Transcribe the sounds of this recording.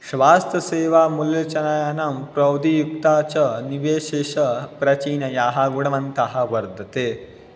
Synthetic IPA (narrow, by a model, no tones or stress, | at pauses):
ʃʋaːst̪ʰɐseːʋaːmuljɐt͡ʃɐnaːjanɐmpɾɐwd̪ijukt̪aːt͡ʃɐniʋeːʃeʃɐpɾɐt͡ʃiːnɐjaːɦɐɡuɽɐʋɐnt̪ɐɦɐ̆ʋɐɾd̪ʱɐt̪eː